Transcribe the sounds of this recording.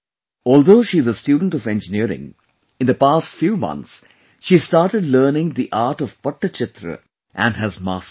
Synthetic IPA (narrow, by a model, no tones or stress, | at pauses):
ɔːld̪oːʃiːɪzəsʈjuːɖə̃nɳ̩ʈɔʋẽnd͡ʒɪniəɾɪ̰̃ŋ | ɪ̃nd̪əpaːsʈfjuːmʌ̰̃nt̪s | ʃiːsʈaːɾʈəɖləːnɪ̃ŋd̪iʔaːɾʈɔʋpʌʈːət͡ʃɪt̪ɾə̰ | ʔæ̃nɦæzma̰ːs